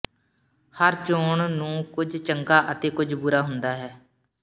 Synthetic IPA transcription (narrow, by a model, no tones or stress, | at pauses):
həɾt͡ʃoːɳnũːkʊd͡ʒt͡ʃəŋkaːʔət̪eːkʊd͡ʒʱbuːɾaːɦʊnd̪aːɦɛː